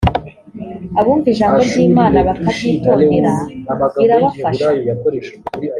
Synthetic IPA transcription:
aβuːnviʒaːmɡoɾɡiːmaːnaβakabitoːndiɾaiɾaβafaʃʃ

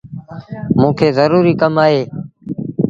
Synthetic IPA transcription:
mũːkʰeːzəɾuːɾiːkəmaːɦeː

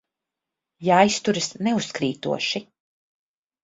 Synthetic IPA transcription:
jajst̪uɾɨsnɛuskɾiːt̪ṵɔʃi

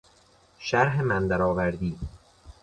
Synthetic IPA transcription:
ʃæɾɦemænd̪æɾɒːvæɾd̪iː

